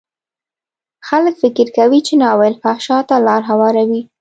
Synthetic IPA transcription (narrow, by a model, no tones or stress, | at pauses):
xaləkfɪkɪɾkawit͡ʃenɑwelfaʃɑt̪alɑɾɦawɑɾawi